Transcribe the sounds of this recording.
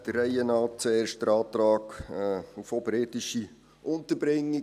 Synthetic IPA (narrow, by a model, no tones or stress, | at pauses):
d̥ərːɛɪənɑːt̚t͡sueːɾʃt̚d̥əɾɑːt̪ɾɑːkː | ufobɾɪtɪʃi | ʔʊnt̪əɾbɾɪŋːi